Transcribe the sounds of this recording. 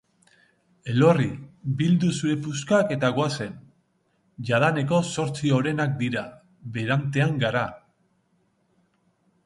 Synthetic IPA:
e̞lo̞ribild̪usuɾe̞puskake̞t̪aɣoase̞n | ʝaðane̞ko̞so̞ɾt͡sioɾe̞nak̚d̪iɾa | βe̞ɾant̪e̞aŋɡaɾa

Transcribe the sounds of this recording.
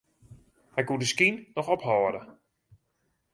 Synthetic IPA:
hɛjkudəskinnɔxɔphɔːdə

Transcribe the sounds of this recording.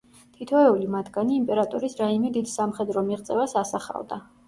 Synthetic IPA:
t̪ʰit̪ʰɔɛulimat̪ʰɡaniːmpʼɛɾat̪ʼɔɾisɾaimɛd̪id̪samχɛd̪ɾɔmiʁt̪sʼɛvasasaχa̰vd̪a

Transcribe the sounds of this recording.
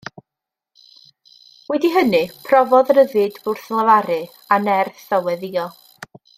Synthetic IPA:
wɛdiɦənɨpʰrɔvɔðɾəðɨdbʊrθlˠəvaɾɨ | anɛrθɔwɛðiːɔ

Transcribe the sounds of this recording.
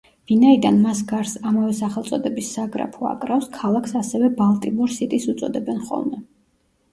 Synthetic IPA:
vinaid̪anmasɡaɾsamavɛsaχɛlˠt̪sʼɔd̪ɛbisːaɡɾa̰pʰɔa̰kʼɾafskʰalˠakʰsasɛvɛbalˠt̪ʼimuɾsit̪ʼisut̪sʼɔd̪ɛbɛnχɔ̰lˠmɛ

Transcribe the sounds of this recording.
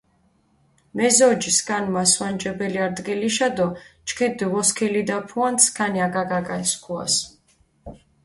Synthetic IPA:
mɛzɔd͡ʒiskʼanmaswand͡ʒɛbɛliaɾd̪ɡɛliʃad̪ɔt͡ʃʰkʰɛd̪iʁɔskʰɛlid̪apʰuant̪skʰaniaɡaɡaɡaskʰua̰s

